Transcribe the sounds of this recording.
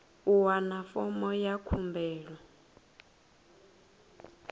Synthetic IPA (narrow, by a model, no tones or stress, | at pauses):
uwanafɔmɔjakʰumbʱɛːɺɔ